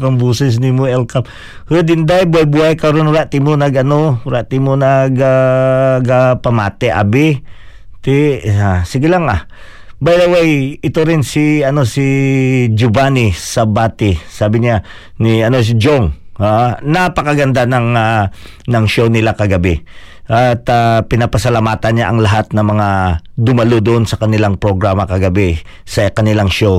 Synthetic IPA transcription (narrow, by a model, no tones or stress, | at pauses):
ɾaŋbuːsɛs̬nimoɛlkap̚ | hɨd̪ɪnd̪ajbʊajbuajkaɾonʊɾaʔt̪imonɐɡɐnoɾaʔt̪imonaɡa | ɡapamaːt̪ɛʔa̰bɪ | t̪ɪasɪɡɪlaŋa̰ | bajlawajɪt̪oɾɪnsiɐnosid͡ʒʊbanisɐbaːt̪ɪsaːbɪɲa | nɪɐno̞s̬ɪd͡ʒoŋanapɐkɐɡɐnd̪anɐŋa | nɐŋʃownɪlakɐɡɐbɪʔat̪apɪnapɐsɐlamaːt̪ɐnɲaʔɐŋlɐɦat̪̚nɐŋmɐŋad̪ʊmɐlod̪oʔonsɐkɐnɪlaŋpɾoɡɾaːmɐkɐɡɐbɪ | sɐkɐnɪlaŋʃow